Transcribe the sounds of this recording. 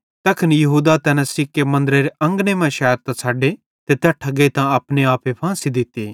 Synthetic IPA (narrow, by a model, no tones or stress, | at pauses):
t̪ɐkʰənjɐɦuːd̪at̪ɛːnãsɪkːemɐ̃nd̪ɾeɾeɐ̃ŋɡnemɛ̃ʃɛːəɾt̪ãsʰaːɖe | t̪et̪jaːʈʰɐɡet̪ãɐpneaːpepʰãːsid̪ɪt̪eː